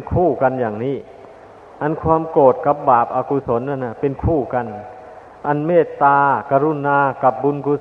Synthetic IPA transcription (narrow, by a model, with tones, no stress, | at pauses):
nkʰuː˥˩ka˧njaː˨˩ŋniː˦˥˩ | ʔa˧nkʰwaː˧mkoː˨˩t̪̚ka˨˩p̚baː˨˩p̚ʔaː˧ku˧so˩˦nːa˧˨nːa˧˩pe˧nkʰuː˥˩ka˧n | ʔa˧nmeː˥˩t̪ːaː˧ka˧ɾu˧˩naː˧ka˨˩p̚bu˧nku˧